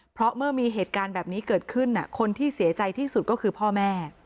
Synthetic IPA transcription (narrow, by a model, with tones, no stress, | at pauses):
pʰɾɔ˦˥mɯ˥˩ɐmiː˧ɦeː˨˩t̪̚kaː˧nbɛː˨˩p̚niː˦˥kɤː˨˩t̪̚kʰɯ˥˩nːa̰˩kʰo˧nt̪ʰiː˥˩si˩˦ɐt͡ɕa˧jt̪ʰiː˥˩su˨˩t̪̚kɔː˥˩kʰɯː˧pʰɔː˥˩mɛː˥˩